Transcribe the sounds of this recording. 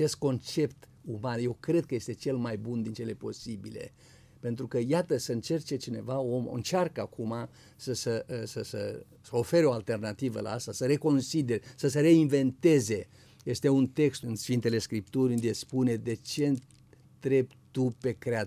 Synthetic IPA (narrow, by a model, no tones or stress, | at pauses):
ae̞st̪̚ko̞nt͡ʃe̞pt̪ | umanje̞wkɾe̞d̪̚kəje̞st̪e̞t͡ʃe̞lmajbund̪int͡ʃe̞le̞po̞̰sibile̞̰ | pe̞nt̪ɾukəjat̪əsəɨnt͡ʃe̞rt͡ʃe̞t͡ʃine̞vao̞m̰ɨ̰nt͡ʃarkəakʰuma | səsəsəsə̰ | səo̞fe̞ɾeo̞alt̪e̞rnat̪ivə̰la̰ast̪asəɾe̞ko̞nsid̪eɾsəseɾe̞inve̞nt̪e̞ze̞ | je̞st̪e̞unt̪e̞kst̪ɨnsfint̪e̞le̞skɾipt̪urʲɨnd̪espune̞d̪e̞t͡ʃe̞ | t̪ɾe̞b | t̪upe̞kɾea